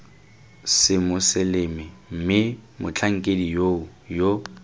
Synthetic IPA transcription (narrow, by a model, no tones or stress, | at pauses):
sɪmʊsɪlemɪm̩mɪmʊt͡ɬʰaŋ̩kʼedijoʊ | jo